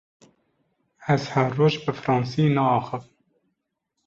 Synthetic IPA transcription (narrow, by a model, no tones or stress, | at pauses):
ɛzhæɾroːʒbɨfɾɑːnsiːnɑɑːxɨv